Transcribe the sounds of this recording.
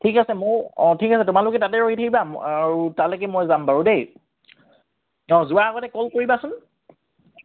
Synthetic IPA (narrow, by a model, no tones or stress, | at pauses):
tʰikasɛmʊɔtʰikasɛtʊmalʊkɛtatɛɹoɦitʰabibamaɹutalɛkɛmojzambaɹudej | ɔ̃zʊaaɡɔtɛkɔlkoɹibasʊn